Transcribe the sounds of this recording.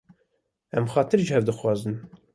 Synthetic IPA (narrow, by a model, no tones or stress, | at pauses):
ɛmxɑːt̪ʰɨɾʒəhɛvd̪ɨxwɑːzɨn